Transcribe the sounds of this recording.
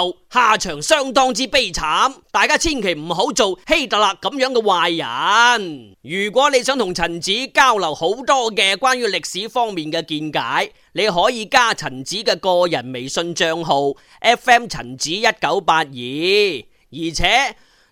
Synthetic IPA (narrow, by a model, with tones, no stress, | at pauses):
whaː˨t͡ʃʰœː˨˩ŋsœː˥˩ŋt̪ɔː˥ŋt͡siː˥pe˥˩jt͡sʰaː˨˥mt̪aː˨jkaː˥t͡sʰiː˥nkʰe˨˩jm̩˨˩ɦo˨˥wt͡so˨whe˥jt̪ɐ˨˩laː˨k̚ːɐ˨˥mjœː˨˥ŋkɛː˧waː˨˧jjɐ̰˨˩n | jyː˨˩kʷwʷɔː˨˥ne˨˧jsœː˨˥ŋt̪ʰʊ˨˩ŋt͡sʰɐ˨˩nt͡siː˨˥kaː˥wlɐ˨˩who˨˥wt̪ɔː˥kɛː˧kwaː˥njyː˥lɪ˨k̚siː˨˥fɔː˥ŋmiː˨nkɛː˧kiː˧nkaː˨˥j | ne˨˧jɦɔː˨˥jiː˨˧kaː˥˩t͡sʰɐ˨˩nt͡siː˨˥kɛː˧kɔː˧jɐ˨˩nme˨jsɵ˧nt͡ʃœː˧ŋɦo˧w | ʔɛː˥fɛː˥mt͡sʰɐ̰˨˩nt͡siː˨˥jɐ˥t̚kɐ˨˥wpaː˧t̚jiː˨˧ | jiː˨˩t͡sʰɛː˨˥